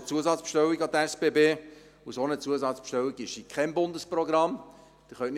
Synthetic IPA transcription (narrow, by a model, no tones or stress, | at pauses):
t͡suəzɑt͡spʃtɛwiɡɑd̪əɛsb̥eːbeː | usonət͡suəzɑt͡spʃtɛwiɡɪʃikʰɛnbʊndəsprɔɡɾɑm | d̥iχœnʔn